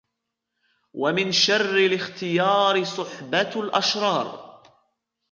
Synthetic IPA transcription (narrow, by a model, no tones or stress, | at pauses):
wamɪnʃɑrːɪlɪxt̪ɪjɑːɾsˤʊħbalʔaʃɾˤɑːɾˤ